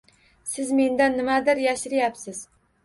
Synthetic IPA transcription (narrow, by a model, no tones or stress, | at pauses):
sɪzme̞nd̪anːɪmad̪ɪɾjaʃɾɪjapsɪz